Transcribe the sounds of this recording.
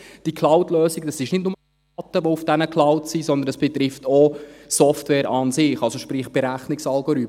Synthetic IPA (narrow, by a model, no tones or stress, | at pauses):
d̥ikʰlɑwtløːsɪɡd̥ɑsɪʃnɪdnʊmə | ɑt̪ːəʋoufd̥ɛnəkʰl̥ɑʊwtsizɔnd̪ənəsb̥ɛt̪ɾɪftʰosɔftwɛːɾɑnsɪχɑlsoʃpɾɪχb̥ɛɾæχnɪksɑlɡoɾyt